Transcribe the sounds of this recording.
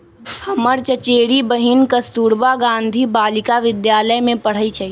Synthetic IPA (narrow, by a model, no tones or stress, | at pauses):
hɐməɾt͡ʃət͡ʃeːɽibəɦɪnkəst̪uːɾbaɡãːnd̪ʱibaːlɪkaʋɪd̪jaːləjmẽpɐɽ̤əit͡ʃʰai